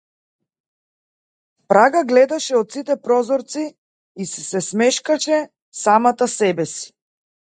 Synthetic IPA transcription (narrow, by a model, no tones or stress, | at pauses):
pɾaɡaɡlɛd̪aʃɛɔt̪sit̪ɛpɾɔzɔɾt̪si | isɛsɛsmɛʃkaʃɛ | samat̪asɛbɛsi̥